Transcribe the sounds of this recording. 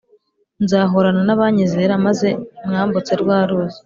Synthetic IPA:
nzaːɦoɾananaβaːɲizeɾamaze̞mŋaːmbut͡se̞ɾɡwaːɾuːze̥

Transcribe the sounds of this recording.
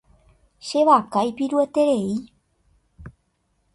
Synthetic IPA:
ʃeβakajpiɾuət̪eɾei

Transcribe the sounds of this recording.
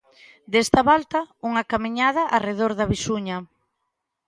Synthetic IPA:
d̪est̪aβalt̪auŋakamiɲað̞aʔareðoɾðɐβisuɲɐ

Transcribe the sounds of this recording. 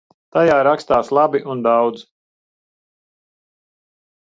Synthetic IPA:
t̪ajaːɾakst̪aːslˠabiʔund̪awd̪z

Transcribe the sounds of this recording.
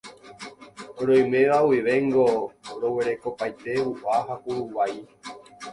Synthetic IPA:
ɾõj̃mẽ̞ʋawiʋe̞ŋɡoɾo̞we̞ɾe̞ko̞pajt̪e̞uʔaɦakuɾuwaj

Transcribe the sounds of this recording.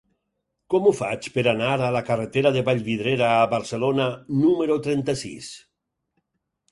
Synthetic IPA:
kɔmufa̰t͡ʃpeɾanaɾalakaret̪eɾaðeβaʎβið̞ɾeɾaːβaɾselonanumeɾot̪ɾɛnt̪asḭs

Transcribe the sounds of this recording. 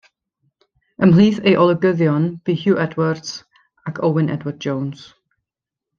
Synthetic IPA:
əmliːθejʔɔlˠəɡəðjɔnb̥ihjuːʔɛdwərd̥s | akʰowwɪnɛ̰dwərd̚d͡ʒowns

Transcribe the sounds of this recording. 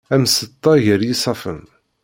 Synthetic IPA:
æmsət̪ˤːɑʝəɾjisˤɑfə̰m

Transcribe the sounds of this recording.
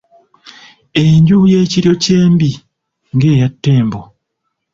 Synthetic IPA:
eɲɟujeːciɾjo̞ceːmbi | ŋɡe̞ːjatːe̞ːmbo

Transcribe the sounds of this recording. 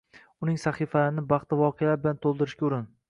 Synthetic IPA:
ʊnɪŋsaχifalaɾɪnɪbɑχt̪avɒqʰejalaɾbɪlant̪ʰolˠd̪ɪɾɪʃkʲaʊɾɪn

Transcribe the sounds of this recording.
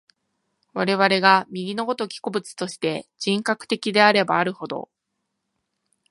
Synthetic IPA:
βaɾe̞βaɾe̞ɡamʲiɡʲino̞ɡo̞t̪o̞kʲi̥kobɯ̟t͡sɨ̥t̪o̞ɕi̥t̪e̞d͡ʑĩŋkakɯ̥t̪e̞kʲid̪e̞aɾe̞baːɾɯ̟ho̞d̪o̞̰

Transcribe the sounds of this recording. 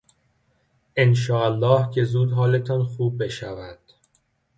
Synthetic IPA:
ʔenʃ̬ɒːælːɒːhcʰe̞zuːd̪ɦɒːle̞t̪ʰɒːnxuːb̚ːe̞ʃævæd̪̥

